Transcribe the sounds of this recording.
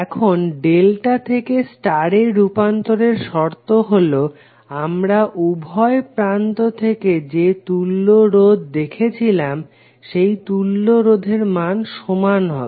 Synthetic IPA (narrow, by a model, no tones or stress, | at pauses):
ɛkʰonɖelʈat̪ʰekesʈaɾeɾupant̪oɾeɾʃɔɾt̪oɦolo | amɾaʔubʱɔepɾant̪ot̪ʰeked͡ʑet̪ulːoɾod̪ʱd̪ekʰet͡ɕʰilam | ʃejt̪ulːoɾod̪ʱeɾmanʃomanɦɔ